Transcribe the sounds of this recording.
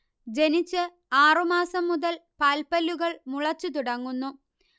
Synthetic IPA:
d͡ʑe̞nit͡ɕːɨ | aːrumaːsɐmːuðɐlpaːlpɐlːuɣɐɭmuɭɐt͡ɕːut̪̬uɽɐŋːunːu

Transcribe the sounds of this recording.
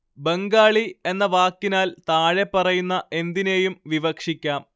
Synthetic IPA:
beŋɡaːɭie̞nːɐʋaːkːinaːlt̪aːɻe̞pːɐrɐjunːɐʔe̞nd̪ine̞ːjumʋiʋɐkʂikʲːaːm

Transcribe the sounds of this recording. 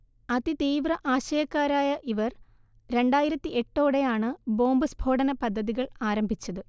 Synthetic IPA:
ɐðit̪iːʋrɐʔaːɕɐjɐkːaːɾaːjɐʔiʋɐr | ɾe̞ɳɖaːjiɾɐt̪ːiʔe̞ʈːo̞ːɽe̞jaːɳɨbo̞ːmbɨsbʱo̞ːɽɐnɐpɐd̪ʱːɐðiɣɐɭaːɾɐmbʱit͡ɕːɐðɨ

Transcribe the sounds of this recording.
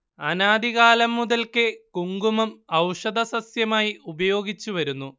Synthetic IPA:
ɐnaːd̪iɣaːlɐmːuðɐlkɨkuŋɡumɐmɐwʂɐd̪ɐsɐsjɐmaːjiubɐjo̞ːɡit͡ɕːuʋɐɾunːu

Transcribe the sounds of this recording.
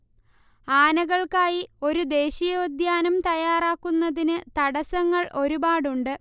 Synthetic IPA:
aːnɐɣɐɭkaːjio̞ɾud̪e̞ːɕijoːd̪jaːnɐmt̪ɐjaːraːkːunːɐðinɨt̪ɐɽɐsɐŋːɐɭʔo̞ɾubaːɽuɳɖɨ

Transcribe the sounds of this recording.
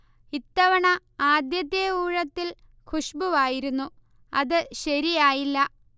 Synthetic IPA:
it̪ːɐʋɐɳɐ | aːd̪jɐd̪jɐuːɻɐt̪ːil | kʰuʂbuʋaːjiɾunːu | ɐðɨɕɐɾijaːjilːɐ

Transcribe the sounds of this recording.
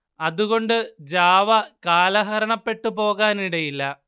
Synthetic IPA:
ɐðuɣo̞ɳɖɨd͡ʑaːʋɐkaːlɐɦɐɾɐɳɐpːe̞ʈːupo̞ːɣaːniɽɐjilːɐ

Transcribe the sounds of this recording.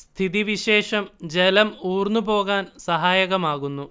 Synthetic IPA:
st̪ʰiðiʋiɕeːʂɐmd͡ʑelɐmuːrnːupo̞ːɣaːnsɐɦaːjɐɣɐmaːɣunːu

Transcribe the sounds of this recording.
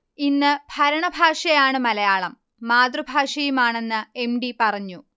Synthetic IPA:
inːɨb̥ʱɐɾɐɳɐbʱaːʂɐjaːɳɨmɐlɐjaːɭɐmː | aːd̪rɨbʱaːʂɐjumaːɳe̞nːɨe̞mɖipɐrɐɲːu

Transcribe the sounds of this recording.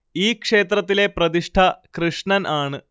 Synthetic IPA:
iːkʂe̞ːt̪ɾɐt̪ːile̞prɐd̪iʂʈʰɐkɾɨʂɳɐnʔaːɳɨ

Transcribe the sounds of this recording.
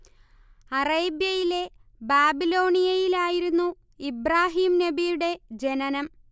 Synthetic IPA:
ɐreːbjɐjile̞baːbilo̞ːɳijɐjilaːjiɾunːu | ibraːɦiːmnɐbijuɽe̞d͡ʑe̞nɐnɐm

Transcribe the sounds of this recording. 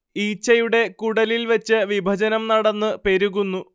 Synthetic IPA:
iːt͡ɕːɐjuɽe̞kuɽɐlilʋɐt͡ɕːɨʋibʱɐd͡ʑɐnɐmnɐɽɐnːɨpe̞ɾuɣunːu

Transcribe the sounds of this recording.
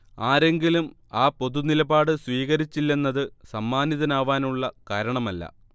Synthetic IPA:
aːɾe̞ŋɡilum | aːpo̞ðunilɐbaːɽɨsʋiːɣɐɾit͡ɕːilːe̞nːɐðɨsɐmːaːnjɐðɐnaːʋaːnuɭːɐkaːɾɐɳɐmɐlːɐ̰

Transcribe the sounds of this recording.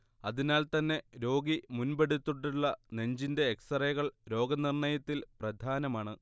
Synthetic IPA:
ɐðinaːlt̪ɐnːe̞ɾo̞ːɡimunbeɽut̪ːuʈːuɭːɐne̞ɲd͡ʑinde̞ːksrɐjɐɣɐɭɾo̞ːɡɐnirɳɐjɐt̪ːilprɐd̪ʱaːnɐmaːɳɨ

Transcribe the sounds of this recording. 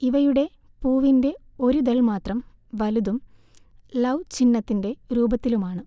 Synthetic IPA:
iʋɐjuɽe̞ | puːʋinde̞o̞ɾud̪ɐɭmaːt̪rɐm | ʋɐluðum | lɐwt͡ɕinːɐt̪ːinde̞ɾuːbɐt̪ːilumaːɳɨ

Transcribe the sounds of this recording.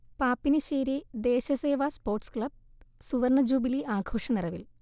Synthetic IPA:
paːpːinɨɕeːɾid̪e̞ːɕɐseːʋaːspo̞ːrʈskɭɐb̚suʋɐrɳɐd͡ʑuːbiliʔaːɡʱoːʂɐnirɐʋil

